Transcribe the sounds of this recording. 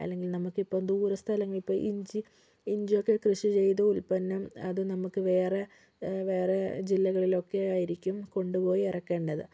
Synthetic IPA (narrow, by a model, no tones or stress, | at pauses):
ɐ̰lːe̞ŋɡilnɐmukːipːoːmd̪uːɾɐst̪ʰɐlɐŋːɐɭipːoːʔiɲd͡ʑi | iɲd͡ʑijo̞kːe̞krɨʂit͡ɕe̞jt̪ɐulpɐnːɐmɐðɨnɐmukːɨʋe̞ːre | ʋe̞ːred͡ʑilːɐɣɐɭilo̞kːe̞aːjiɾikʲːumko̞ɳɖupo̞ːjirɐkːe̞ːɳɖɐðɨ